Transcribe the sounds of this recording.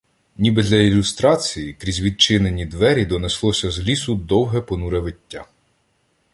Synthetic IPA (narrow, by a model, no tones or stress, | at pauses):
nʲibɛd̪lʲɐilʲust̪ɾɑt͡sʲijikɾʲizʲʋʲid̪̚t͡ʃɪnenʲid̪ʋɛɾʲid̪ɔneslˠɔsʲɐzlʲisʊd̪ɔwɦɛpɔnuɾɐʋɪtʲːa